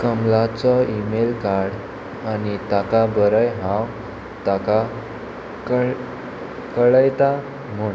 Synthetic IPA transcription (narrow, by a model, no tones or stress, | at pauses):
kəmlat͡sɔimelkaɾɽ | anit̪akabəɾəjɦãw | t̪aka | k | kəɭəjt̪a | m̤oɳ